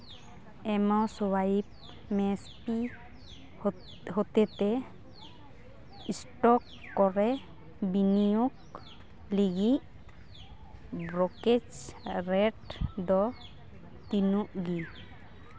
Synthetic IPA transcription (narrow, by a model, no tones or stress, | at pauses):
ɛmɔsɔwap̚ | mɛspi | hot̪ɛt̪ɛ | isʈɔkː | ɔɾɛ | binijuk | liɡiʔ | bɾɔked͡ʒɾɛʈdɔ | t̪inuʔɡi